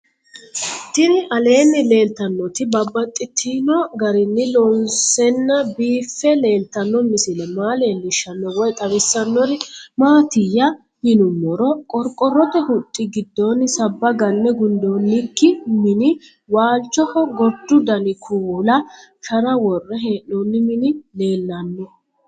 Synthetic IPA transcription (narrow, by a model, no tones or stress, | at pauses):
t̪ɪnɪʔɐle̞ːnːɪle̞ːlt̪ɐnːɔt̪ɪbɐbːɐt̪ʼːɪt̪ʰːinɔɡɐɾɪnːɪlɔnsɛnːɐbiːfːɛle̞ːlt̪ːɐnːɔmɪsɪlɛmaːle̞ːnːɪʃːɐnːɔwɔjt̪ʼɐwɪsːɐnːɔɾɪmaːt̪ɪjɐ | mɪnʊmːɔɾɔkʼɔɾkʼɔrːɔt̪ɛhʊt̪ʼːɪɡɪd̪ːɔnɪsɐbːɐɡɐnːɛɡʊnd̪onːɪkːɪmɪnɪ | waːlt͡ʃːɔhɔɡɔd̪ːʊd̪ɐnɪkʰuːlɐʃɐɾɐwɔrːɛɦeːʔɔnːɪmɪnɪle̞ːlːɐnːɛ